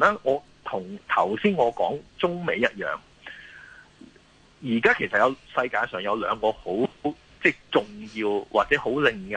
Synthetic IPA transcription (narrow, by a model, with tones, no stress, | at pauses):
naː˥ŋɔː˨˧ | t̪ʰʊ˨˩ŋt̪ʰɐ˨˩wsiː˥nŋɔː˨˧kɔː˨˥ŋt͡sʊ˥ŋme˨˧jɐ˥t̚jœ̰ː˨˩ŋ | jiː˨˩kaː˥kʰe˨˩jsɐ˨t̚jɐ˨˧wsɐ˧jkaː˧jsœː˨˩ŋjɐ˨˧wlœː˨˧ŋkɔː˧ho˨˥w | t͡sɛː˥˩t͡sʊ˨ŋjiː˧wwʔaː˨t̚t͡sɛː˨˥ho˨˥wlɪ˨˧ŋjɐ˨